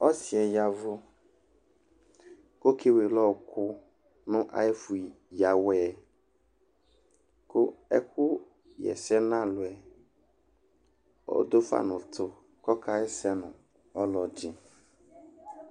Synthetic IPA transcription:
ɔ˦si˨ɛ˨ja˨vo˦ | ko˦ke˦we˨lɔ˦wkʰʊ˦ | nʊ̃˦ʔa̰˨e˦fu˨i˨ | ja˨wɛ˨ | ko˦ɛ̰˦ku˦ | jɛ̰˨sɛ˦nã˦lʊ˨ɛ˨ | ɔ̰˦d̪o˦fa̰˦nʊ̃˨t̪ʰʊ˨ | kɔ˦kʰa˦ɛ˦sɛ˦nʊ̃˨ | ɔ˦lɔ˨d͡ʒi˦

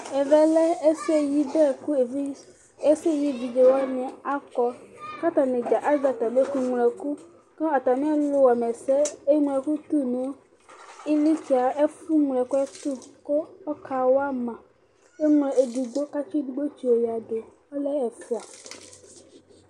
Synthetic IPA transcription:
ɛ˨vɛ˦lɛ˦e˦se˦ji˦bɛ˦˨ku˦e˨vi˦ | e˦se˦˨ji˦vi˨d͡ʒe˨wa˦nɛ̃˨a˦kɔ˨˦ka˦t̪ã˨nẽ˨d͡ʒa˨ʔa˦za˨t̪a˨be˦ku˨ŋu˨lɛ˨ku˦ | kɛ˦ɔ˨t̪a˨mĩ˦a˦lo˦wa˨mɛ˨sɛ˦e˦ŋũ˨ɛ˨ku˦t̪u˦nũ˦ | i˦li˦t͡ʃi˨a˨e˦fu˦ŋ˨lɛ˨ko˦ɛ˦t̪u˦ko˦ɔ˦ka˨wo˦a˦mã˨ | e˦ŋ˦lɛ˨e˨du˨ɡ͡bo˦ka˦t͡ʃi˦du˨ɡ͡bo˦t͡ʃi˨wo˨ja˨ɖe˨ | ɔ˦lɛ˦ɛ˨fi˦a˨

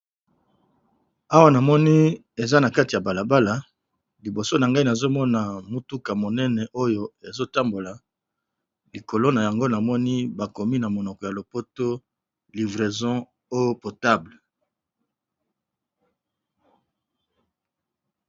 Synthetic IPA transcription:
a˦wa˦na˨mɔ˦ni˦ | e˨za˦na˨ka˦ti˨ja˨ba˨la˨ba˦la˨ | li˨bo˨so˦na˨ŋɡa˦i˦na˨zo˦mɔ˦na˨mu˦tu˦ka˨mo˨nɛ˦nɛ˨ʔo˦jo˨e˨zo˦ta˦mbo˨la˨ | li˨ko˨lo˦na˨ja˨ŋɡo˦na˨mɔ˦ni˦ba˨ko˨mi˦na˨mo˨nɔ˨kɔ˨ja˨lo˨po˦to˦ | li˨vʁe˨zɔ̃˦ | o˦jpo˨ta˦bl

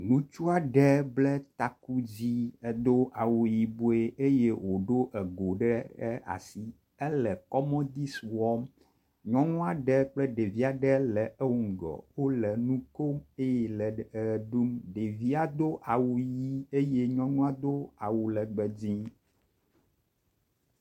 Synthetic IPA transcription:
nũ˦t͡ʃu˦a˨ɖɛ˦blɛ˦t̪a˨ku˦d͡ʑi˦ɛ˨d̪o˦ʔa˨wu˨ji˨bo˦e˦e˦je˦wo˨ɖo˦ʔɛ˨ɡo˨ɖɛ˦ɛ˦a̰˨si˦ | ɛ˦lɛ˨kɔ˦mɔ̃˦d̪i˦swɔ˦m | ɲɔ̃˦nũ˦a˨ɖɛ˦k͡plɛ˦ɖe˨vi˦a˨ɖɛ˦lɛ˨ɛ˦wu˨ŋ̩˨ɡɔ̰˨wo˦lɛ˨nũ˦ko˦me˦jɛ˨lɛ˨ɖu˦mɖe˨vi˦a˨d̪o˦ʔa˨wu˨ji˦e˦je˦ɲɔ̃˦nũ˦a˦d̪o˦a˨wu˨lɛ˨ɡ͡bɛ˨d͡ʑĩ˦

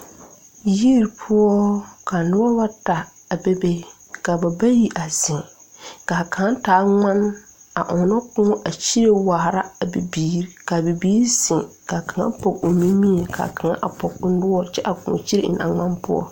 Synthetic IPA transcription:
ji˦ɾpʰʊ˦ɔ˦ka˨nʊ˦a˦wa˦ta˨ | a˨be˦be˦ | ka˨ba˨ba˦ji˦ʔa˨zɪ˨ŋ | ka˨kã˨a˦taː˨˦ŋa˦na˨ʔɔ˨nɔ˦kʊ̃˦ɔ˦ʔa˨t͡ʃi˦ɾe˦wa˨hɾa˦a˨bi˨biː˦ɾka˨bi˨biː˦ɾsɪ˨ŋka˨kʰa˨ŋa̰˦pɔ˨ko˨mi˦mi˦e˨kʰa̰˨kʰa˨ŋa̰˦ʔa˨pɔ˨k̚ʊ˦nʊ˦ɔ˦t͡ʃɛ˦ʔa˨kʊ̰̃˨ŋɔ̰˨t͡ʃi˦ɾḛ˦˨ɪ̰˨na̰˨ŋa˦npʊ̰˦ɔ̰˦

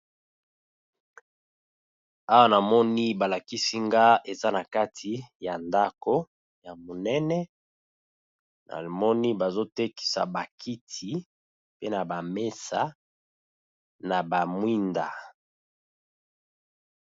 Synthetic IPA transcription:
a˦wa˦na˨mɔ˦ni˦ba˨la˨ki˦si˦ŋɡa˦e˨za˦na˨ka˦tʰi˨ja˨nda˦ko˦ | ja˨mo˨nɛ˦nɛ˦ | na̰˨mɔ˦ni˦ba˨zo˦te˦ki̥˨sa̰˨ba˨kʰi˦tʰi˨˦ | pe˦na˨ba˨me˦sa˨ | na˨ba˨mwi˦nda̰˨

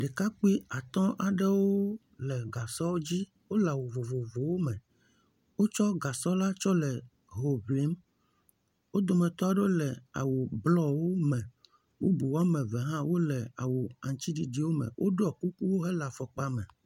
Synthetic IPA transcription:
ɖe˨ka˦k͡pi˦a˨t̪ɔ̃˦ʔa˨ɖɛ˦wo˦ | lɛ˨ɡa˨sɔ˦d͡ʑi˦ | wo˦la˨wo˨vo˨vo˨vo˨wo˦mɛ̃˨ | wo˦t͡ʃɔ˦ɡa˨sɔ˦la˦t͡ʃɔ˦lɛ˨ | ɦo˨vli˨˦m | wo˦d̪ɔ˨mɛ̃˨t̪ɔ˦a˨ɖo˦lɛ˨a̰˨wo˨blɔ˦wo˦mɛ̃˨ | wʔo˦bu˨wa˦mɛ̃˨vɛ˨ɦã˦wo˦lɛ˨a̰˨wo˨a˨ŋt͡ɕ̪i˦ɖi˨ɖi˨wo˦mɛ̰̃˨wʔo˦ɖo˦a˨ku˦ku˦wo˦ɦɛ˦la˨fɔ˨k͡pa˦mɛ̰̃˨

